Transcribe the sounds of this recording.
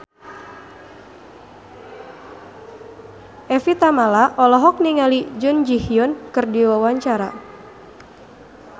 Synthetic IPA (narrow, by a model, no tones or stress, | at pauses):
ʔɛfit̪amalaʔɔlɔɦɔk̚niŋalid͡ʒʊnd͡ʒihiɔnkɨrdiwawaɲt͡ʃaɾa